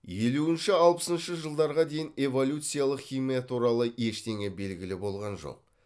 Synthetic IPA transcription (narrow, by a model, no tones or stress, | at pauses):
je̞luɪnʃɪɑlˠpə̥sənʃəʒəlˠd̪ɑɾʁɑd̪e̞jɪne̞vo̞lʲut̪sɨijalˠəqχʲimijat̪ʰuɾɑlˠəje̞ʃt̪e̞ŋebe̞lɡʲɪlɪbo̞lˠʁɑnʒo̞̰q̚